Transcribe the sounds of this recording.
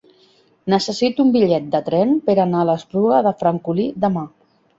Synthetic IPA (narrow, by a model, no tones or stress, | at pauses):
nəsəsit̪umbiʎɛt̪̚d̪ət̪ɾɛmpəɾanaələspɾuɣəðəfɾaŋkulid̪əma